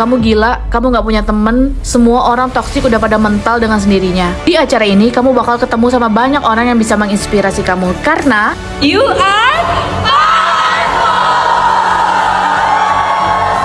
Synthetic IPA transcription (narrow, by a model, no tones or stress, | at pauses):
kamuɡilaʔkamuŋɡaʔpuɲat̪əmənsəmuaʔoɾaŋt̪ɔksɪkudapadamənt̪aldəŋans̬əndiɾiɲad̥iat͡ʃaɾainikamubakalkət̪əmusamabaɲakoɾaŋjaŋbisaməŋinspiɾasikamukarna | jua